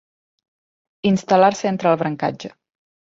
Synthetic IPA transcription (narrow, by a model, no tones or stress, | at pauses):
inst̪əlaɾsəent̪ɾəːlˠβɾəŋka̰d͡ʒə